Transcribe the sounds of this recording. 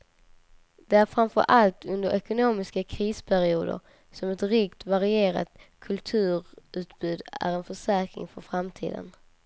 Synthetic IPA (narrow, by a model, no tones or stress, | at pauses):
d̪̥ɛæɾfɾamfœ̰ɾʔalt̪ʰɵnd̪əɾʔɛkʊnoːmɪskakʰɾiːspʰæɾɪuːd̪ə̰ɾ | sɔmɛt̪ɾɪkt̪vaɾɪeːɾa̰t̪kʰɵlt̪ʰʉ̟ːɾʉ̟ːt̪bʉ̟ːd̪æ̰ɾɛnfœʂæːkɾɪ̰ŋfœɾfɾamt̪ʰḭːd̪ə̰n